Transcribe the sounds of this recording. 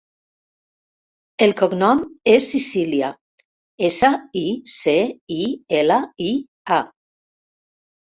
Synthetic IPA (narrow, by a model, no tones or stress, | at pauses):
elˠkoknɔmesːisiljia | esaiseielai | a